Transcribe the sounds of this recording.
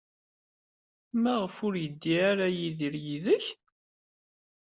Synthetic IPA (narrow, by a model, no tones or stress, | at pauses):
mæʁəfʊɾjəd̪ːiaɾajiðiɾjiðəç